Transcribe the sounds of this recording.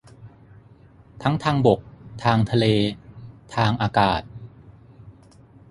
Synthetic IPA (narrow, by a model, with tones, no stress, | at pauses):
t̪ʰa˦˥ŋt̪ʰaː˧ŋbo˨˩k̚t̪ʰaː˧ŋt̪ʰa˧leː˧t̪ʰaː˧ŋʔaː˧kaː˨˩t̪̚